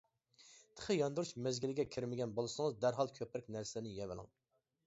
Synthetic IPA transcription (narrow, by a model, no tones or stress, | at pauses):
t̪ʰə̥χʰəjɑnd̪uɾuʃmɛzɡʲɪlɪɡʲɛkʲʰiɾmɪɡʲɛnbolˠɨsɨŋɨzd̪æɾɦɑlˠkʲʰøpɾɪkʲnæɾsɪɪnɪjɛvɪlˠɪ̰ŋ